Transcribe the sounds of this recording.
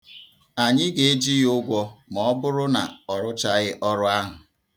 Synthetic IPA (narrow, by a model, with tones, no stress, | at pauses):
a˨ɲɪ˦ɡe˨e˦d͡ʒi˦jʊ˦ɡʷɔ˦mɔ˦bʊ˦ɾʊ˦na̰˨ɔ˨ɾʊ˦t͡ʃa˦ɣɪ˦ʔɔ˦ɾʊ˦a˦ɦʊ˨